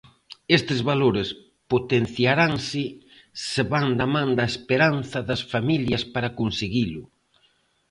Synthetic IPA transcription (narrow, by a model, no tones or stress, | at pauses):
est̪ɪzβaloɾɪs | pot̪en̟θjaɾaŋsɪ | seβand̪ɐmãnd̪ɐespeɾanθɐðɐsfamiljɐspaɾakonseɣilʊ